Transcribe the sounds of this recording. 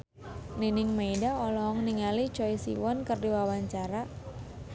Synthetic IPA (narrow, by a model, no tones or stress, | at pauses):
ninɪŋmejdaɔlɔŋniŋalit͡ʃɔisḭwɔnkərdiwawaɲt͡ʃaɾa